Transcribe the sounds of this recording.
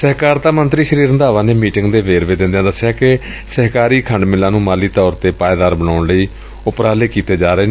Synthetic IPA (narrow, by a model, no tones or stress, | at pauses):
səɦkaːɾt̪aːmənt̪ɾiːʃəɾiːɾənd̪aːʋãːneːmiːʈɪŋɡd̪eːʋeːɾʋeːd̪ɪ̃nd̪ejãːd̪əsːɪjaːkɪ | səɦkaːɾiːkʰəɳɖmɪlãːnũːmaːliːt̪ɔːɾt̪eːpaːeːd̪aːɾbənaːʊɳləiː | ʊpɾaːleːkiːt̪eːd͡ʒaːɾəeːne